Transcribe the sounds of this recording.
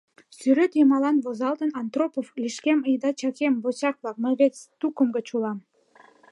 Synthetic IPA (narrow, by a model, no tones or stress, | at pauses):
syɾøt̪jəmɑlɑnβozɑlt̪ənɑnt̪ropovlʲiʃkeməjd̪ɑt͡ɕɑkembot͡ɕɑk̚blɑk̚məɣet͡st̪ukəmɡət͡ɕulɑm